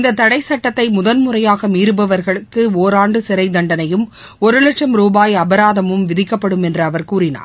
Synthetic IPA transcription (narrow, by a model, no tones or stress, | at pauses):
ɪnd̪ɐt̪ːɐɽɐɪsɐʈːɐt̪ːɐɪmʊðɐnmʊrɐjaːɣɐmiːɾɯbɐʋɐɾɣɐɭɯkːɯoːɾaːɳɖɯsɪɾɐɪd̪ɐɳɖɐnɐjɯm | ɔɾɯlɐʈʂɐmɾuːbaːjɐbɐɾaːðɐmɯmʋɪðɪkːɐpːɐɽɯmɛndrɯɐʋɐɾkuːɾɪna̰ːɾ